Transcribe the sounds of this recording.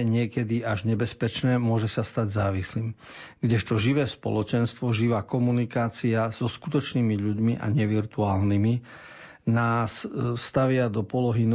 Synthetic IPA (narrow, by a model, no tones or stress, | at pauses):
ɛɲɪɛkɛd̪iaʒɲɛbɛspɛt͡ʃnɛːmʊɔʒɛsast̪aɟzaːʋisliːm | ɡɟɛʃt̪ɔʒiʋɛːspɔ̰lɔt͡ʃɛnst̪ʋɔʒiʋaːkɔmunikaːt͡siaz̥ɔskut̪ɔt͡ʃniːmiʎuɟmiʔa̰ɲɛʋiɾt̪uaːlnimi | naːsst̪aʋɪad̪ɔpɔlɔɦin